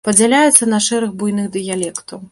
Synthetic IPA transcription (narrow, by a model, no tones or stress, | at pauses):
pɐd͡zʲalʲajɛt̪sːɐnɐʂɛɾɨɣbujnɨɣd̪ɨjalʲɛkt̪ɐw